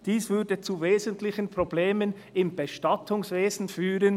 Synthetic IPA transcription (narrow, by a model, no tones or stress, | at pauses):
d̥iːsvʏɾdət͡suveːzəntlɪçənpʁ̥obleːmən | ɪmb̥əʃtɑtʰʊŋsveːzn̩fyːɾən